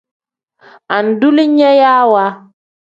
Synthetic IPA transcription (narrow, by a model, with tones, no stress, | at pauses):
a˨n̩˨du˦li˦ɲɛ˦jaː˦wa˦